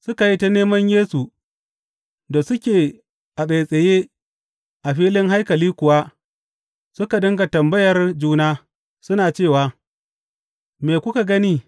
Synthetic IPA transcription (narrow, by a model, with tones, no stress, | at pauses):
sʊ˦ka˨ji˦ta˦neː˦mɐ˦ɲjeː˦su˨ | da˨sʊ˦kʲeː˨ | ʔa˨ɓe˨sʼɐ˨jeː˦ | ʔa˨ɸiː˦lɪ˦ŋɦa˦jkɐ˨liː˦kʷʊ˨wa˦ | sʊ˦ka˨dɪ˦ŋɡa˨tɐ˨mbɐ˦jɐ˨rd͡ʒuː˦naː˦ | sʊ˦naː˨t͡ʃeː˦˨waː˦ | me˨kʷʊ˦ka˨ɡɐ˦niː˦